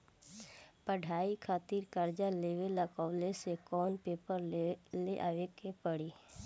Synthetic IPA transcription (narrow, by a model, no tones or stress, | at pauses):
pəɖʱaːikʰaːt̪iːɾkəɾd͡ʒaleːʋeləkaːlesekɔːnpeːpəɾleʔaːʋekepəɽiː